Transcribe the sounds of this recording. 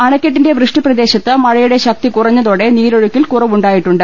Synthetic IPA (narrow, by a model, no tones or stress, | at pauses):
ɐɳɐkʲːɐʈːinde̞ʋrɨʂʈiprɐd̪e̞ːɕɐt̪ːɨmɐɻɐjuɽe̞ɕɐk̚t̪ikurɐɲːɐðo̞ːɽe̞niːɾoɻukʲːilkurɐʋuɳɖaːjiʈːuɳɖɨ